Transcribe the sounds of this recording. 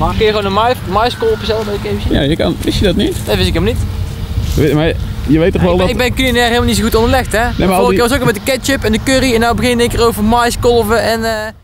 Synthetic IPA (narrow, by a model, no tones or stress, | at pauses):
kjəɣwonənmjmɑjskɔlˠpəsɛlˠdɔtɪkejvəsija̰ːjəkɑ̰nʋɪsjədɑtnitnɛʋɪs̬ɪkelmlˠnit | majəʋejtːɔχʋɛlˠdɪɡ̚bɛnkylinɛːrɦelmlnitsoxutɔndəlɛxtɛnemalˠkʋɑs̬okːmɛtdəkɛt͡ʃɪpɛndəkøɾiɛnawbəɣɪneŋkɪːrowvəmɑjskɔlˠvəɛnə